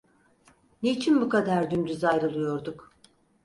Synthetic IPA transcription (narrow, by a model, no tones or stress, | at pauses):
net͡ʃʰinbukad̪aɾd̪ymd͡ʒ̪yzajɾɯlˠɯjo̞ɾd̪uk